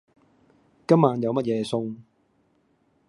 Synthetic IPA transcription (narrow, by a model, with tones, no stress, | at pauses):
kɐ˥mːaː˨˧njɐ˨˧wmɐ˥t̚jɛː˨˧sʊ˧ŋ